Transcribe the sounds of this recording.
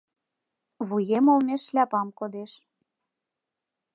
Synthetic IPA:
βujemolmʲeʃlʲæpɑmkod̪eʃ

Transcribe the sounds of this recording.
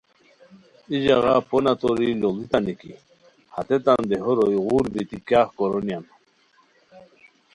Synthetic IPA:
iʑɑɣaponat̪oɾilolit̪anikḭ | hat̪et̪and̪eɦoɾojɣuɾbit̪ikjaːhkoɾonjan

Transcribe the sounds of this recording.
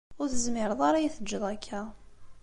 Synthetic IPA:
ʊɾθəzmɪɾəðˤaɾajiθəd͡ʒːəðˤækʰːæ

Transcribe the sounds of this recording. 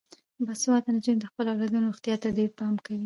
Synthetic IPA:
baswɑt̪anad͡ʒumd̪əxpəlawlad̪unoxt̪jɑt̪ad̪epɑmkawi

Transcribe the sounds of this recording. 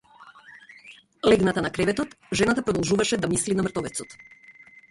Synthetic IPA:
lɛɡnat̪anakɾɛvɛt̪ɔt̪ | ʒɛnat̪apɾɔd̪ɔlˠʒuvaʃɛd̪amislinamr̩t̪ɔvɛt̪sɔt̪

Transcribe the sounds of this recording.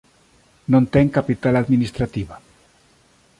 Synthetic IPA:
nõnt̪eŋkapit̪alaðminist̪ɾat̪iβa

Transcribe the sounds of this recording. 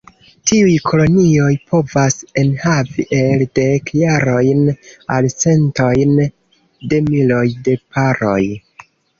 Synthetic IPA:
tiujkʰo̞lo̞nio̞jpʰo̞vase̞nhavḭʔe̞lde̞kjaɾo̞jnalt͡se̞nto̞jn | de̞milo̞jde̞paɾo̞̰j

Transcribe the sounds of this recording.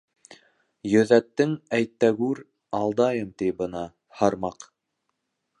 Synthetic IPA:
jɵ̆ðæt̪ːɘŋæjt̪ːæɡʉɾ | ɑlˠd̪ɑjɤmt̪ijbɤ̆nɑ | hɑɾmɑq

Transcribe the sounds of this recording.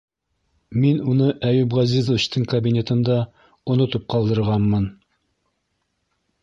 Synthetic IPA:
minunɤʔæjʉbʁɑzizuɕt̪ɤɴkɐbʲinʲet̪ɤ̆nd̪ɑ | unɤt̪up̚qɑlˠd̪ɤ̆ɾʁɑnmɤn

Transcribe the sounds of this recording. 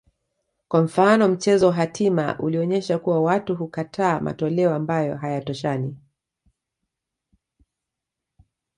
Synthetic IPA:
kwaɱ̩fanɔm̩t͡ʃɛzɔwaɦatʰima̰ʔuliɔɲɛʃakuwawatuɦukatʰaːmʔa̰tɔlɛɔambajɔ̰ɦajatɔʃani

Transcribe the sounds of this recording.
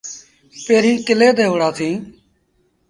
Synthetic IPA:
peːɾĩːkɪleːd̪eːɦʊɽaːsʰĩː

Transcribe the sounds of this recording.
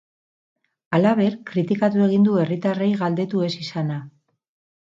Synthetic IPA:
alaβ̞e̞ɾkɾit̪ikat̪ue̞ɣ̞ind̪ue̞rit̪arejɣald̪e̞t̪ue̞sisana

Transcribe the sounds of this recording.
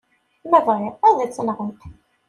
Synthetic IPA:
mævʁɪʁæðit͡sːənʁə

